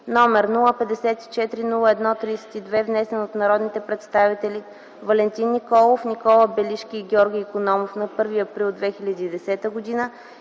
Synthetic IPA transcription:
nɔmɛɾnulˠəpɛd̪ɛsɛt̪i̥t͡ʃɛt̪ɾinulˠəɛd̪nɔt̪ɾisɛ̥t̪id̪vɛvnɛsɛnot̪nɐɾɔd̪nit̪ɛpɾɛt̪st̪avit̪ɛli | vɐlɛnt̪inːikɔlˠofnikɔlˠəbɛliʃkʲiːɡʲɔɾɡʲiːkonɔmofnɐpɤɾviɐpɾilˠd̪vɛxilʲəd̪iːd̪ɛsɛt̪əɡod̪inə

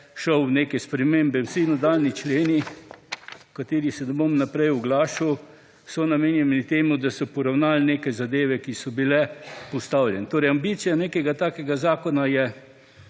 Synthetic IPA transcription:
ʃəwneːkɛspɾɛmembɛwsinad̪aːlnit͡ʃleːni | kat̪eːɾisɛnɛbomnapɾɛjɔɡlaːʃuw | sɔnameːnjɛnnit̪eːmud̪asɔpɔɾawnaːlɛneːkajzad̪eːʋɛkisɔbilɛpɔst̪awljɛnɛt̪oːɾɛjambit̪sijaneːkɛɡat̪aːkɛɡazaːkɔnajɛ

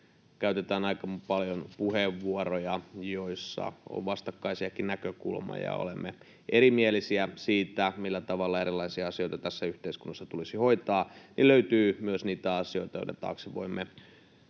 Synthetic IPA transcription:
kæyt̪et̪æːnɑikɑmpɑljonpuheʋːuorojɑjoisːɑ̰o̰ʋʋɑst̪ɑkːɑisiɑkinnækøkṵlmɑ̰jɑ̰o̰lḛmːḛ | ʔeɾimielisiæsiːt̪æmilːæt̪ɑʋɑlːɑeɾilːɑisiɑɑsio̞it̪ɑt̪æsːæyht̪eiskunːɑsːɑt̪ulisihoit̪ɑːniløyt̪yːmyøsniːt̪æɑsioit̪ɑjŏ̰t̪ɑt̪ɑ̰ːksiʋo̰imːe

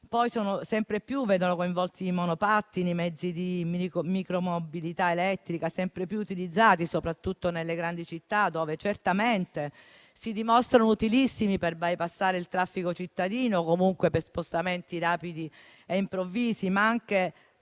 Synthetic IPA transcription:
pɔjsoːnosɛmpɾepjuvɛŋɡonokoiɱvɔlt̪iːmonopat̪ːinimɛd̪zːid̪immikɾomobilit̪aelɛt̪ːɾikasɛmpɾepjuut̪ilid̪zːaːt̪isopɾat̪ːut̪ːonelːeɡɾand̪it͡ʃit̪ːad̪oːvet͡ʃert̪ament̪e | sid̪imɔst̪ɾanout̪ilisːimiperbajpasːaːɾeilt̪ɾafːikot͡ʃit̪ːad̪iːnokomuŋkwepespost̪ament̪iɾaːpid̪i | eimpɾovːiːzimaaŋk̟e

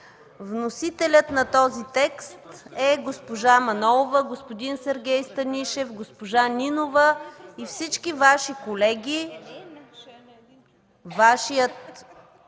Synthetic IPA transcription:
vnosit̪ɛlʲət̪nɐt̪ɔzit̪ɛkst̪ɛɡospoʒamɐnɔlˠovəɡospod̪insɛɾɡʲɛjst̪ɐnʲiʃɛfɡospoʒaninovəifsit͡ʃkivaʃikolɛɡʲi | vaʃijət̪̚

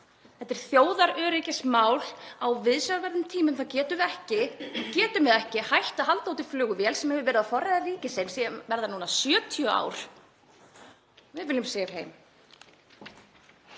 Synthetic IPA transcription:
θɛht̪ːɪɾ̥θjoːwðaɾœːɾɪcɪsmaːwlawvɪðsavɛɾðʏmt̪ʰiːmʏmθawcɛːt̪ʏɛhcɪcɛːt̪ʏmɛðɛhcɪhajht̪aɦalt̪auwt̪ɪ̥flʏːɣʏvɛːlsɛmhɛvʏvɛːɾɪðaðfɔɾajðaviːcɪsejmsivɛɾðanuːnasjœːt̪ʰjœa̰ːwɾ̥ | vɪvɪlːʏmseːjɾ̥ɦeːjm

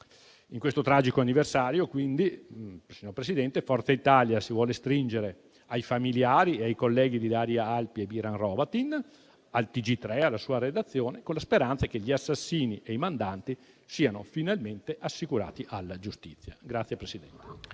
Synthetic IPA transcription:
iŋkwest̪ot̪ɾaːd͡ʒikoanːiversaːɾjokwind̪isiɲːoɾpɾesid̪ɛnt̪efɔrt̪sait̪aːljasivwɔːlest̪ɾind͡ʒeɾe | ajfamiljaːɾieajkolːɛːɡid̪ilaːɾjaalpiebiɾanrɔːbat̪in | alt̪id͡ʒit̪ːɾɛalːasuːaɾed̪at̪sːjoːnekonlaspeɾant̪sakeʎiasːasːiːniʔejmand̪ant̪i | siːano̰finalment̪eʔasːikuɾa̰ːt̪iʔalːad͡ʒust̪it̪sːja̰ɡɾat̪sːjepɾesid̪ɛnt̪e

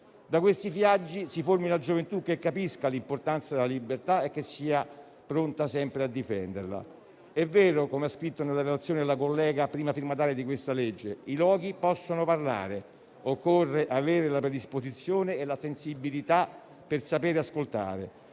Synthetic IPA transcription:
d̪akwest̪ifjad͡ʒːisiformiunad͡ʒovent̪uk̟ːekːapiskalimport̪ant̪sad̪elalibːert̪aɛkːesːiːa | pɾont̪asɛmpɾead̪ːifɛ̰nd̪ḛrla̰ | ɛvːɛːɾokomeaskɾit̪ːonelːaɾelat̪sːjoːned̪elːakolːɛːɡapɾiːmafirmat̪aːljed̪ikwest̪aled͡ʒːeilwɔːɡ̟ipɔsːonoparla̰ːɾe | okːorːeʔaveːɾelapɾed̪ispozit̪sːjoːneːlasensibːilit̪a | persapeːɾeaskolt̪a̰ːɾḛ

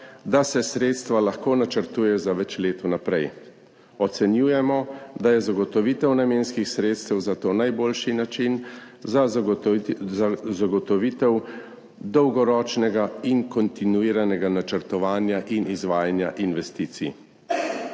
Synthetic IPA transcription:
d̪asɛsɾeːt̪st̪ʋalaxkoːnat͡ʃəɾt̪uːjɛjɔzaʋɛt͡ʃleːt̪ɔnapɾɛj | ɔt̪sɛnjuːjɛmɔd̪ajɛzaɡɔt̪ɔʋiːt̪ɛwnameːnskixsɾeːt̪st̪ɛwzat̪oːnajboːlʃinat͡ʃinza | zaɡɔt̪ɔʋiːt̪ɛw | d̪ɔwɡɔɾɔːt͡ʃnɛɡaiŋkɔnt̪inuiːɾanɛɡanat͡ʃəɾt̪ɔʋaːnjaʔinizʋaːjanja̰ʔinʋɛst̪iːt̪sḭ

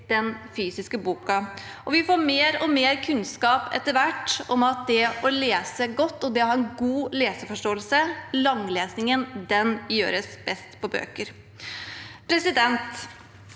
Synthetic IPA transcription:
d̪̥ɛnfyːsɪskəbuːkɑ | ʔɔʋɪfoːɾmeːɾɔmeːɾkʰʉnskɑːpɛ̰t̪ːəɾʋæʈːɔmɑt̪̚d̪ɛɔleːsəɡɔt̪ːɔd̪ɛhɑɾɛnɡuːleːsəfɔʂʈoːəlsəlɑŋleːsnɪŋənd̪ɛnjø̰ːɾəsb̥ɛst̪pʰɔbø̰ːkəɾ | pʰɾɛsɪd̪ɛnt̪

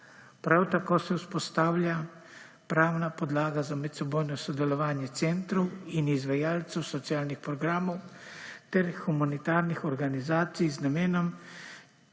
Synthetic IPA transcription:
pɾawt̪akoːsɛwspɔst̪aːwlʲja | pɾaːwnapɔd̪laːɡazamɛt̪sɛboːjnɔsɔd̪ɛlɔʋaːnjɛt̪sɛnt̪ɾɔwinizʋajaːlt̪sɛwsɔt̪siaːlnixpɾɔɡɾaːmɔwt̪ɛɾxumanit̪aːɾnixɔɾɡanizaːt̪sijznameːnɔm

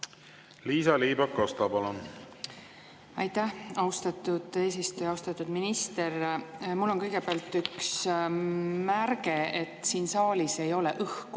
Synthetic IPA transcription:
liːsɑliːbɑkːost̪ɑbɑlon | ɑjt̪ːæhɑwst̪ɑt̪ːˑud̪̥e̞ːs̬ist̪ujɑɑwst̪ɑt̪ːˑud̪̥minist̪e̞rmulːo̞nkɤjɡ̥e̞beɑlt̪ːyks | mærɡ̥e̞et̪ːˑsiːnsɑːlise̞jo̞le̞ʔɤhku

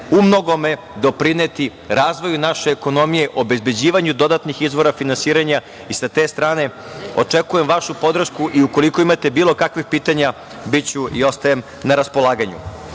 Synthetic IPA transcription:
umno̞ɡo̞me̞ | d̪o̞pɾinet̪i | ɾaːzʋo̞junaʃeːko̞no̞mije̞ʔo̞be̞zbe̞d͡ʑiːʋaɲud̪o̞d̪at̪nixizʋo̞ɾafinansiːɾaɲa | isat̪eːst̪ɾaːne̞ | o̞̰t͡ʂekuje̞mʋaʃupo̞d̪r̩ʃkuʔiuko̞liko̞imat̪e̞biːlˠo̞kakʋixpiːt̪aɲa | bit͡ɕuḭo̞st̪ajem | naɾaspo̞lˠaːɡaɲṵ

